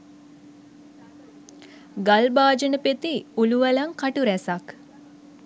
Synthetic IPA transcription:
ɡalbaːd͡ʒənəpet̪iuluʋəlɐŋkaʈuɾæsak

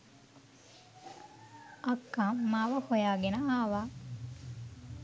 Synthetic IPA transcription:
ɐkːamaːʋɐhojaːɡenɐaːʋaː

